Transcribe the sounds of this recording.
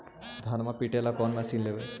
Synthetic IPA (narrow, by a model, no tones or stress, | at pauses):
d̪ʱanmapiʈelakɔnmɛsiːnleʋe